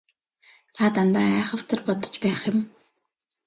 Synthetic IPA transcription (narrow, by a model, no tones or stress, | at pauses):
t̪ʰat̪ant̪aːæːχə̆w̥t̪ʰə̆rpɔt̪ɞ̥̆t͡ɕpæːχjʊ̆m